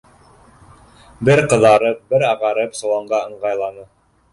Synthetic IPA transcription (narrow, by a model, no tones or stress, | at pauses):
bɘɾqɤ̆ðɑɾɤp̚bɘɾɑʁɑɾɤpsŏlˠɑɴɢɑɤ̆ɴʁɑjlˠɑnɤ